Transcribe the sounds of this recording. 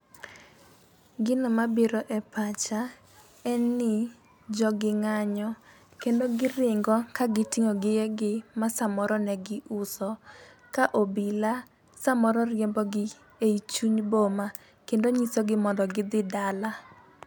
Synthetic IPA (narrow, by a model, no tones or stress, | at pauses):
ɡɪnomabɪɾɔʔɛpat͡ʃa | ɛnːɪ | d͡ʒɔɡɪŋaɲɔ | kendoɡɪɾɪŋɡɔkaɡɪtɪŋoɡɪjeɡɪmasamɔɾɔnɛɡɪʔʊsɔ | kaʔobila | samɔɾɔrjembɔɡɪ | eit͡ʃuɲboma | kendoɲisoɡɪmɔndɔɡɪd̪ɪdala